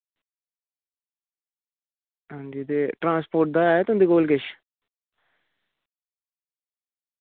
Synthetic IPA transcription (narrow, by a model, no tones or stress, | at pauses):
ɦãːnd͡ʒid̪eːʈɾãːspoːʈ̚d̪aːeːt̪ʊnd̪iːɡoːlkeʃ